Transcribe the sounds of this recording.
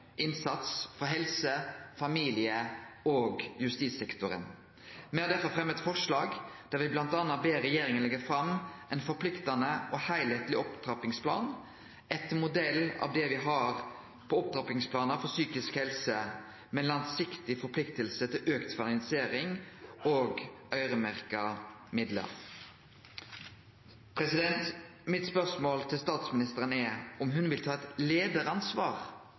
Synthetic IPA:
ʔɪnsɑt̪sfɔɦɛlsəfɑmiːlɪəoːɡjʉst̪iːt̪sɛkt̪ʊɾə̰n | mɛɑd̪ɛfəfɾɛmːəɛt̪fɔʁʂlɑːɡd̪̥æɾʋɪblɑnt̪ɑːnːɑbeːɾɛjeːɾɪŋənlɛɡəfɾɑmʔɛɪnfɔɾpʰlɪkt̪ɑnəʔɔhæɪlheːt̪lɪɔpt̪ɾɑpɪŋspʰlɑ̰ːn | ɛt̪mʊd̪ɛlːɑ̰ːʋd̪ɛʋɪɦɑɾ | pʰɔɔp̚t̪ʰɾɑpɪŋspʰlɑːnɑfɔsyːkɪskhɛlsə | mɛnlɑŋsɪkt̪ɪfɔɾpʰlɪkt̪əlsət̪ʰɪlʔøːkt̪fɑnɪnɪseːɾɪŋoːɡœʏɾəmæʁkɑmɪd̪lə̰ɾ | pʰɾɛsɪd̪ɛnt̪ | mɪt̪spœʁsmoːlt̪ʰɪlst̪ɑːt̪smɪnɪst̪əɾənɛɔmɦʉnʋɪlt̪ʰɑːɛt̪leːd̪əɾɑnsʋɑːʁ

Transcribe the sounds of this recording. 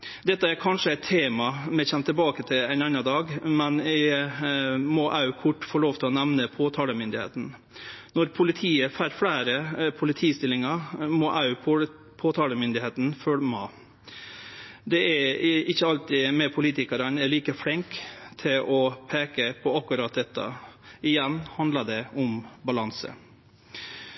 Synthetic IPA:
d̪ɛt̪ːəæɾkʰɑnʂəɛɪt̪ʰːeːmɑmɛçɛmt̪ʰɪlbɑːkət̪ʰɪlɛɪnɑnɑd̪ɑːɡmɛnɪ | mɔʔɑʉkʰʊʈːfoːloːʋt̪ɪlɔnɛʋnəpʰoːt̪ʰɑːləmʏnd̪ɪhḛːt̪n̩ | nɔɾpʰʊlɪt̪ʰiːəfæɾfɽæːɾəpʰʊlɪt̪ʰiːst̪ɪlːɪŋɑmɔʔɑʉ | pʰoːt̪ʰɑːləmʏnd̪ɪheːt̪n̩fœlmɑ | d̪ɛæɪçːəɑlt̪ɪmɛpʰʊliːt̪ɪkɑɾɑnɛɾɭiːkəfɽɪŋkt̪ʰɪlʔɔpʰeːkəpʰɔɑkːʉɾɑːt̪̚d̪ɛt̪ʰːɑ̰ɪjɛnːhɑnd̪lɑɖ̪ɛʊmbɑlɑnsə̰

